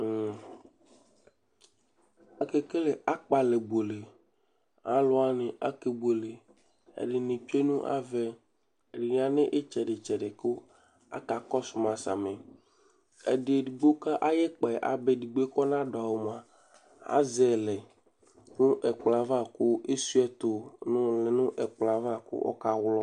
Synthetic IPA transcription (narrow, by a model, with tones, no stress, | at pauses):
a˨ke˦ke˦le˨a˦k͡pa˨le˨bo˨le˨ | ã˦lɔ˦a˦ne˨ʔa̰˦ke˨bo˨le˨ | ḛ˨ɖe˨nĩ˨t͡ʃe˦nũ˦ʔa̰˦vɛ˦˨ | ɖi˨ɲ˦˨ã˨ne˦ʔe˦t͡ʃɛ˨ɖe˨t͡ʃɛ˨ɖe˨ko˦ | a̰˦ka˨kɔ˦su˨mã˨sa̰˨mẽ˨ | ḛ˨ɖe˨ɖi˨ɡ͡bo˦ka˦ʔa˦je˦k͡pɛ˨ʔa̰˨be˦ɖi˨ɡ͡bkɔ˦nã˦ɖa˨wo˨m˨a˨ | a̰˦zɛ˨lɛ˨ | nũ˦ʔɛ˨k͡pla˨va˦ko˦e˦su˦ɛ˦t̪o˨nũ˦le˨nũ˦ʔɛ˨k͡pla˨va˦˨ko̰˦ʔɔ̰˦ka˦wlɔ˦